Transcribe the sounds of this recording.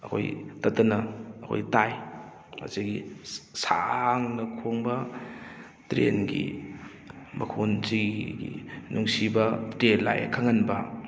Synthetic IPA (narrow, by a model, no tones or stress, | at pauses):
ɐkʰo̰jtɐtɐnɐɐkʰo̰jtaj | ma̰siɡisa̰ŋnɐkʰoŋbɐ | tɾḛnɡḭ | mɐkʰunziɡḭnuŋsibɐtɾela̰j̰kʰaŋɐnbɐ